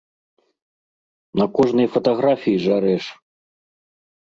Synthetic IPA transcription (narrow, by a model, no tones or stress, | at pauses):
nɐkɔʐnɨjfɐt̪aɣɾafʲijiʐaɾɛʂ